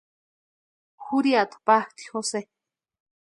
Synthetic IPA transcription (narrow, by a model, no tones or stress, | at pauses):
xuɾiat̪paht̪i̥xose